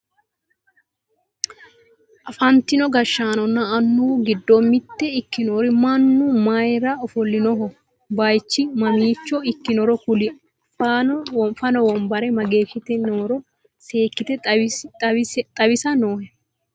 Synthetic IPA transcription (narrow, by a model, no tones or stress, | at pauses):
ʔɐfɐnt̪ɪnɔɡɐʃːaːnɔnːɐːnːuːɡɪd̪ːɔmːɪt̪ːɛɪkːɪnoːɾɪmɐnːumɐjɾɐɔfɔlːɪnɔɦɔ | bɐjt͡ʃːɪmɐmiːt͡ʃːɔɪkːɪnɔɾɔkʊlɪ | f | fɐnɔwɔmbɐɾɛmɐɡe̞ːʃɪt̪ɛnoːɾɔ | se̞ːkːɪt̪ɛɐt̪ʼɐbɪsɐnoːhɛ